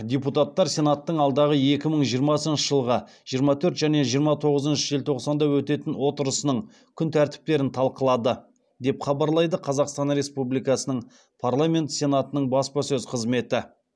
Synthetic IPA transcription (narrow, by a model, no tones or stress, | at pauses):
d̪ʲeput̪at̪ːɑɾsʲe̞nat̪ːəɴɑlˠd̪ɑʁəe̞kʲɪməɴʒijəɾmɑsənʃəʒəlˠʁɑ | ʒ̥ijəɾmɑt̪ʰɵɾt̪ʒæne̞ʒijəɾmɑt̪ʰo̞ʁəzənʃəʒelt̪ʰo̞qsɑnd̪ɑwɵt̪e̞t̪ɪnwo̞t̪əɾəsənəɴ | kʲʰʏnt̪ʰæɾt̪ɪ̥p̚t̪e̞ɾɪnt̪ʰɑlˠqəlˠɑd̪ə | d̪e̞pχɑbɑɾlˠɑjd̪əqʰɑzɑqst̪ɑnɾe̞spublijkɑsənəɴ | pʰarlˠamʲe̞nt̪sʲe̞nat̪ənəɴbɑspɑsɵzqʰəzme̞t̪ɪ